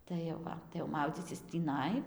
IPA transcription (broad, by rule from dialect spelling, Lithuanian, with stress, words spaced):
tɐɪ jɛʊ ˈʋɐ tɐɪ jɛʊ ˈmɐʊd͡zʲiːt͡sʲɪs tʲiːˈnɐɪ